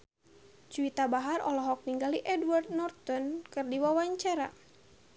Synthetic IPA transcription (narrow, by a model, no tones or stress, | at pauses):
t͡ʃuit̪abaɦarɔ̰lɔɦɔk̚niŋɡaliʔɛdward̪nɔrt̪ɔnkɨrdiwawaɲt͡ʃaɾa